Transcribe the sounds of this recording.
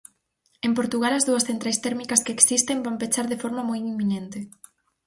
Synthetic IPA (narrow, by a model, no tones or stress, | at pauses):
empoɾt̪uɣalɐzðuɐsθent̪ɾajst̪ɛɾmikɐskeeksist̪embampet͡ʃaɾðefɔɾmɐmojimːinent̪ɪ